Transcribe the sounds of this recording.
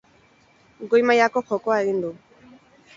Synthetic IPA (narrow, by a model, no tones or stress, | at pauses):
ɡojmajakɔxɔkɔaind̪u